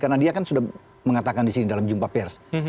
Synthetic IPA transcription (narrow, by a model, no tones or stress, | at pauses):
karnadiakansudah | məŋat̪akandisinidalamd͡ʒumpapɛrs